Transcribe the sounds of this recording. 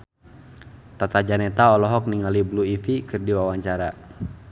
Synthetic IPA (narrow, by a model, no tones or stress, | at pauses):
t̪at̪ad͡ʒanɛt̪aɔlɔɦɔk̚niŋalibluifikɨrdiwawaɲt͡ʃaɾa